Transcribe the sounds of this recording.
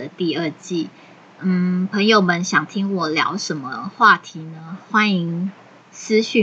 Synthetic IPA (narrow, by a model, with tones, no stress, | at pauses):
ə˦t̪i˥˧ə˥˧t͡ɕi˥˩ | n̩˥˩pʰə˧˥ŋjo˨˩ʊmə˦nɕjɑ˨˩ŋt̪ʰi˥ŋwɔ˨˩ljɑ̰˧˥ʊʂə˧˥˦nmə˧xwa˥˩t̪ʰi˨˧˥nə˧xwa˥ni˧˥ŋ | sɹ̩˥ɕy˥˩